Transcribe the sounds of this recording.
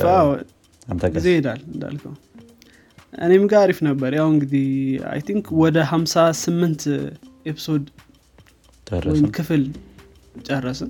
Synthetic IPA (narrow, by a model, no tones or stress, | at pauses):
aw | ɡizejɪd̪alɨnd̪a̰lkʰəw | ʔʔɨ̰ne̞mɨɡaɾifnəbːəɾjawɨŋɡɨd̪ia̰jt̪ʰiŋkʰwɔd̪əɦamsasɨmːɨnt̪ʔepʰi̥so̞d̪ | wɔjɪmmkʰɨfɨl | t͡ʃʼərːəsɨn